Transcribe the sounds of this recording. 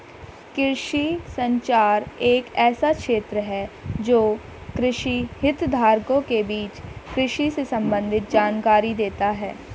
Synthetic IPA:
kɪɾʃisə̃ɲt͡ʃaːɾeːkɛːsakʃeːt̪ɾəɦɛd͡ʒoː | kɾɪʃihɪt̪d̪ʱaːɾkõkebiːt͡ʃkɾɪʃisesɐ̃mbə̃nd̪ʱɪt̪̚d͡ʒaːnkaːɾid̪eːt̪aɦɛː

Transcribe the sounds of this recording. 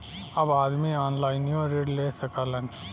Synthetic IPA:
ɐbaːd̪miaːnlaːɪnjõɾeːɖleːsəkalən

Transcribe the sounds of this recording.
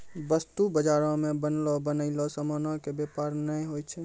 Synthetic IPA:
bəst̪ubəd͡ʒaɾɔ̃mebənlɔbənəɪlɔsəmɔnɔkebepaɾnəjɦojt͡ʃʰɛ

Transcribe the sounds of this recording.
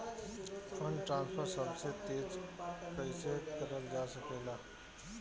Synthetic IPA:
ənʈɾãːnspʰəɾsɐbset̪eːd͡ʒpɾəsəɦɪt̪kəɾəld͡ʒaːsəkeːlaː

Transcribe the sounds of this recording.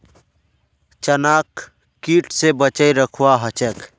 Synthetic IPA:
t͡ʃənak | kːiʈsebət͡ʃəjɾəkʰwaɦət͡ʃək

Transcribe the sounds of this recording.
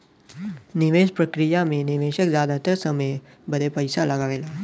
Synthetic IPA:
nɪʋeːʃpɾɐəkɾijamẽnɪʋeːʃəkzjaːd̪at̪əɾsəməj | bəd̪epəɪsalɐɡaːʋeːlaː

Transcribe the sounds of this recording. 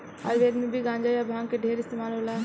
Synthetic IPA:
a̰ːʋʋeːd̪mibʱiɡãːɲd͡ʒaːjabʱãːŋkeɖʱeːɾɪst̪eːmaːlɦoːlaː

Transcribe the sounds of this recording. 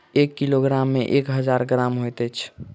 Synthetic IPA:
ekːiloɡɾamːeʔekɦəd͡ʒaɾɡɾamɦojt̪ɛt͡ʃʰ

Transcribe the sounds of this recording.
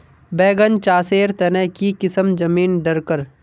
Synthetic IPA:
bɛːɡənt͡ʃaːseːɾt̪ɐnɛɦkikɪsəmd͡ʒɐmiːnɖɐɾkəɾ

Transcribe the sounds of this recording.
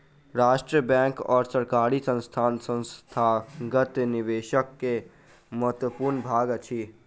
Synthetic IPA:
ɾaːʃʈɾiəbɛ̃ːŋkɔːɾsəɾkaːɾisə̃nst̪ʰaːnsə̃nst̪ʰaɡət̪nɪʋeːʃəkːe | məɦət̪wəpuːɾnbʱaːɡt͡ʃʰi

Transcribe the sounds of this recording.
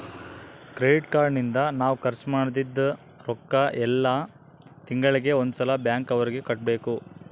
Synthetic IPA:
kɾeɖiʈkaːɾnind̪ɐnaːʋukɐɾt͡ʃmaːɽd̪id̪ːɐ | ɾɔkːɐʔɛlːɐ | t̪iŋɡɐɭiɡe̞ond̪usɐlɐbjaːŋkɐʋɐɾiɡe̞kɐʈ̚be̞ːku

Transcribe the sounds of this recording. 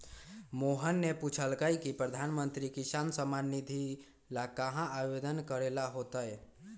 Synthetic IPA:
moɦənːeput͡ʃʰəlkajkipɾəd̪ʱanmənt̪ɾikisansəmanːid̪ʱi | lakəɦãʔaʋed̪ənkəɾelaɦot̪əj

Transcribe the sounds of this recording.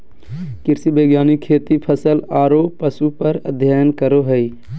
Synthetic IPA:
kɪɾsibeːɡjaːnikʰːeːt̪ipʰəsəlaːɾopəsupəɾə̰d̪ʱjaːjənkəɾoɦəi

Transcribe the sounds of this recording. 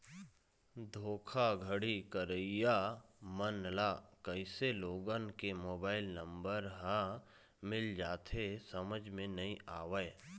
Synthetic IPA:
d̪ʱoːkʰaɡʱəɽikəɾəijaːmənlaːkəɪseloːɡənkemoːbaːɪlnə̃mbəɾɦã | mɪld͡ʒaːt̪ʰesəməd͡ʒʱmẽnɐĩaːʋəj

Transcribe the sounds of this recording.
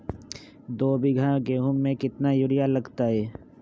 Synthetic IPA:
d̪oːbʱiɡʱãkeɦʊmːẽkɪt̪najʊɾɪjaləɡt̪aɦɛː

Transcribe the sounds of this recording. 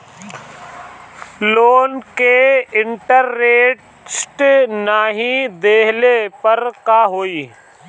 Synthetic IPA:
loːnkeɪɳʈəɾːeːʈ | sʈnaːɦĩd̪eːɦlepəɾkaːɦoːiː

